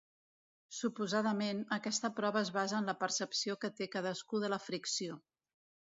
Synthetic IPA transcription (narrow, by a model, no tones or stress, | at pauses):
supuzaðəmenəkɛst̪əpɾɔβəːzβazəːnləpəɾsəpsiokət̪ekað̞əskuðələfɾiksio